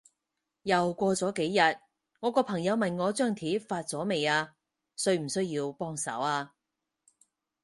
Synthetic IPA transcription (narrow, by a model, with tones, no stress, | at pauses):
jɐ˨wkʷɔː˧t͡sɔː˨˥ke˨˥jːɐ˨t̚ | ŋɔː˨˧kɔː˧pʰɐ˨˩ŋjɐ˨˧wmɐ˨nŋɔː˨˧t͡ʃœː˥˩ŋt̪ʰiː˨˥faː˧t̚t͡sɔː˨˥me˨jaː˧ | sɵ˧ɥm̩˨˩sɵ˥ɥjiː˧wpɔː˥ŋsɐ̰˨˥waː˧